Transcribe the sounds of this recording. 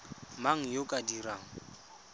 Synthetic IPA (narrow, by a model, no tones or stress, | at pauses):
maŋ̩jokʼadiɾaːŋ̩